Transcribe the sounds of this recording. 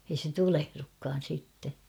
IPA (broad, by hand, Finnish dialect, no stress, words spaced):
ei se tulehrukːɑːn̞ sitːe